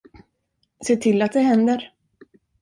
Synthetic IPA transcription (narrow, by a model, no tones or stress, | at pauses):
seːʈʰɪlːat̪̚d̪ɛɦɛnd̪əɾ